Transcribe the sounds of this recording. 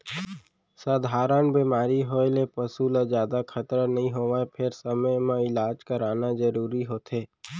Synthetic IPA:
saːd̪ʱaːɾənbiːmaːɾiɦoːelepəsulad͡ʒjaːd̪akʰət̪ɾnəɦĩɦoːʋaepʰɪɾsəməjmãɪlaːd͡ʒkəɾaːnazəɾuːɾiɦoːt̪ɦeː

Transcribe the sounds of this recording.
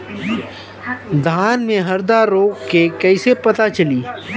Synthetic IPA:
d̪ʱaːnmẽɦɐɾd̪aɾoːɡkekɛɪsepɐt̪at͡ʃɐliː

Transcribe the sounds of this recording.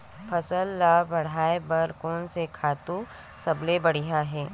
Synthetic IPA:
pʰɐsəlːaːbɐɽ̤aːebɐɾkɔːnsekʰaːt̪ũ | sɐblebɐɽ̤iɦaɦɛː

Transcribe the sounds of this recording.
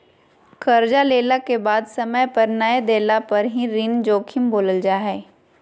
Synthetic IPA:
kɐɾd͡ʒaleːlakebaːd̪sɐməjpɐɾnəed̪eːlapɐɾɦĩɾɪnd͡ʒoːkʰɪmboːləld͡ʒaːɦɛː

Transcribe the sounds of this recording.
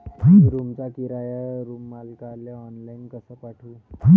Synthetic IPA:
ãɾumt͡sakiɾajaɾumːalkaljaɔnlainkəsəpaʈʰu

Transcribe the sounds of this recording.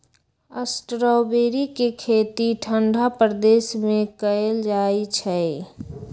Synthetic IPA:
əsʈɾəbeːɾikekʰeːt̪iʈʰəɳɖʱapɾəd̪eːsmẽkəeld͡ʒaːit͡ʃʰɛ

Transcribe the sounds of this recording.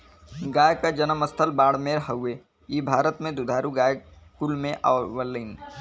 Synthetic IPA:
ɡaːjkad͡ʒənəməst̪ʰəlbaːɽmeːɾɦəe | iːbʱaːɾət̪mẽd̪ʊd̪ʱaːɾuɡaːjkulmẽʔa̰wəlːən

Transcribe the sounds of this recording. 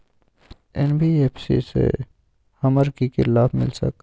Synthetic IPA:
ɛnbʱieːpʰsḭsḛ | hɐməɾkikɪlaːfmɪ̰lsə̰k

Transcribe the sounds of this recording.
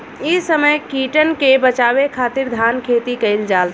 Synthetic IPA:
isəməjkiʈənkebət͡ʃaβekʰat̪iɾd̪ʱankʰet̪ikəɪld͡ʒal

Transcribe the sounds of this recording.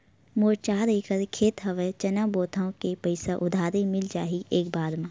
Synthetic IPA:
moːɾt͡ʃaːd̪ikəɾkʰeːt̪ɦɐʋet͡ʃɐnaboːt̪ʰaõkepəɪsaʔʊd̪ʱaːɾimɪld͡ʒaːɦiʔeːk̚baːd̪mãː

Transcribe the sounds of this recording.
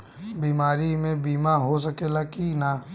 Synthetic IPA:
biːmaːɾimẽbiːmaɦos̬əkeːlakina

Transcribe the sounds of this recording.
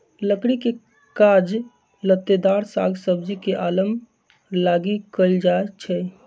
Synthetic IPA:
ləkɽike | kad͡ʒ | lət̪ːed̪aɾsa̰ɡʱsəb̚d͡ʒikeʔaləm | laɡikəld͡ʒaet͡ʃʰɛ

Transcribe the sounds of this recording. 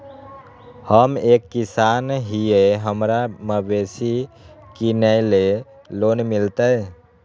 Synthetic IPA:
həmekːisanɦieɦəmɾaməbesikinəjle | loːnmilt̪əj

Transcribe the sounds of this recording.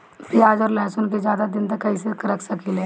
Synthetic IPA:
piaːd͡ʒɔːɾlɛːsʊnkezjaːd̪ad̪ɪnt̪ɐkːɐisekəɾəksɐkileː

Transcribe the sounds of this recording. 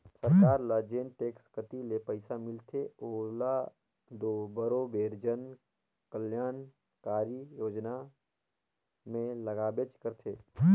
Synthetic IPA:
səɾkaːɾlad͡ʒeːnʈeːkskət̪ilepəɪsamɪlt̪ʰeoːla | d̪oːbəɾobeːɾd͡ʒən | kəljaːn | kaːɾijoːd͡ʒna | mẽləɡaːbet͡ʃkəɾt̪ʰeː

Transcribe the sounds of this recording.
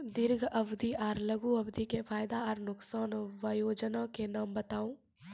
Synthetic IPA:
d̪ɪɾɡʱɐbd̪iʔaːɾləɡuɐbd̪ʱikefʰaːjd̪aɔːɾnʊksaːnʋajoːd͡ʒənãkenaːmbɐt̪aːũː

